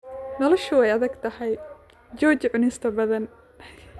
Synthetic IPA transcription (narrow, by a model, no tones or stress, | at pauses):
nɔlɔʃʊɛjɐðɐɡt̪ʰɐhɛj | d͡ʒɔːt͡ʃʕʊnɪst̪ʰɐbɐðɐn